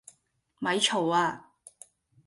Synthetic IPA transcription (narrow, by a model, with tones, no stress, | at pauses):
mɐ˨˧jt͡ʃʰo˨˩waː˧